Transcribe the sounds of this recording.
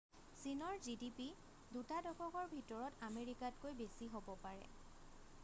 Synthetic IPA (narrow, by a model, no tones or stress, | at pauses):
sinɔɹzidipi | dutadɔkʰɔkɔɹbʱitɔɹɔtameɹikat̚kojbesiɦobɔpaɹɛ̰